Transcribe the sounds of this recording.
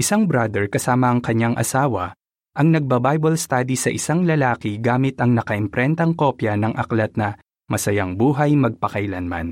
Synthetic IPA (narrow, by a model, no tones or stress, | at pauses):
ʔɪsaŋbɾad̪ɛɹkɐsaːmɐɐŋkɐɲaŋʔɐ̰saːwɐ | ʔɐŋnɐɡ̚bɐbajbɐlst̪aːd̪isɐʔɪsaŋlɐlaːkɪɡaːmɪt̪ɐŋnɐkɐʔɛmpɾɛnt̪ɐŋko̞pjɐnɐŋʔɐklɐt̪̚nɐ | mɐsɐjaŋbuːɦɐjmɐɡ̚pɐkɐjlɐnma̰n